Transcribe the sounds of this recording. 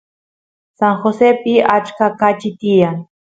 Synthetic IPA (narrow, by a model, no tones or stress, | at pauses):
saŋxosepɪat͡ʃkakat͡ʃɪt̪ijaŋ